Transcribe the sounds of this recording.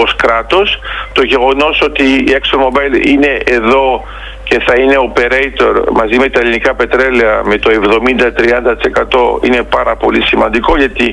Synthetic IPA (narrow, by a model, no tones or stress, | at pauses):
oskɾɐt̪o̞st̪o̞ʝe̞ɣo̞no̞so̞t̪iːeksonmo̞bɐjline̞ʔeðo̞ | ce̞θɐine̞ope̞ɾejt̪o̞ɾmɐzime̞t̪ɐelinikɐpe̞t̪ɾe̞leɐmet̪o̞e̞vðo̞mind̪ɐt̪ɾiɐnd̪ɐt̪i̥se̞kɐt̪o̞ine̞pɐɾɐpo̞lisimɐnd̪iko̞ʝɐt̪i